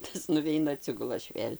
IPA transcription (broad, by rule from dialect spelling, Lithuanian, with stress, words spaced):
ˈtɐs nʊˈʋʲɛɪnɐ ɐˈtʲsʲɪɡʊlˠɐ ˈɐʃ ˈʋʲeːlʲ